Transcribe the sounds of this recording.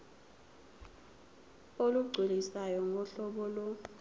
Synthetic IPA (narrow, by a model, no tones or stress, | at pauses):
oluɡ͡ǀʱilisajɔŋɡʱɔɬɔɓɔlɔ